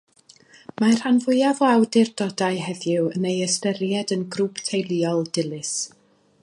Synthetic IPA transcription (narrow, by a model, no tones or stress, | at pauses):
mar̥hanvʊjavɔawdɪrdɔdajɦɛðjɪwənejəstɛɾjɛdənɡrupʰtʰejlˠiɔlˠd̥ɪlˠɨs